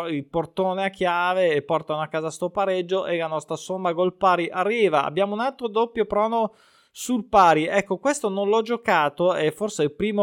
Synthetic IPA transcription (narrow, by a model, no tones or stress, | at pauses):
ilport̪oːneakʰːjaːveːpːɔrt̪aoakːaːzast̪opaɾed͡ʒːoʔelanɔst̪ɾasomːaɡolpaːɾiʔarːiːvaa̰bjaːmounalt̪ːɾod̪opːjopɾɔːno | sulpaːɾiɛkːokwest̪ononlɔd͡ʒokaːt̪oefːorseilpɾiːmo